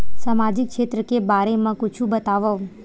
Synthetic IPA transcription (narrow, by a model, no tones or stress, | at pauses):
samad͡ʒikʃet̪ɾəkebaɾemãkʊt͡ʃʰũbət̪aʋəʋ